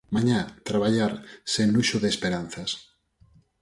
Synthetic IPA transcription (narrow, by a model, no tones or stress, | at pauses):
mãɲat̪ɾaβ̞aʎaɾsenluʃoðespeɾan̟θas